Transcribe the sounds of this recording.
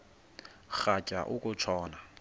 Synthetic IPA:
χacʼa̰ʔʊkʼʊt͡ʃʰɔːna

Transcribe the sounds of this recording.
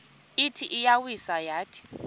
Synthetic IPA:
ɪtʰiʔɪjawisajaːtʼʰi̥

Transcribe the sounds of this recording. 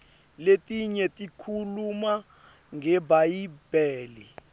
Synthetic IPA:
letʼiɲɛtʼikʰuluma | ŋɡɛbajib̥ɛːli

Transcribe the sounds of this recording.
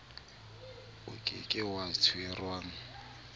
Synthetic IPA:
ʊkʼɪ̰kʼɪwatʰʊɛrwaːŋ̩

